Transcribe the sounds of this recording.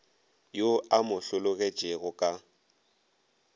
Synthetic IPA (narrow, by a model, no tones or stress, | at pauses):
joamʊɬʊlʊɣet͡ʃʼeɣʊkʼa